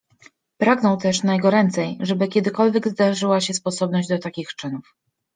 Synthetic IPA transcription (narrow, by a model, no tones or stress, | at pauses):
pɾaɡnɔ̃w̃t̪ɛʂnajɛɡɔɾɛnt̪sɛjʐɛbɘkʲɛd̪ɘkɔlvʲjɛɡzd̪aʐɘwaɕɛspɔsɔbnɔʑd͡ʑd̪ɔt̪akʲixt͡ʂɘnuf